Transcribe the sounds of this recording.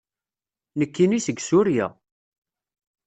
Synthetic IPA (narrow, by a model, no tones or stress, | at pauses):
nəkːinisəɡsuɾja̰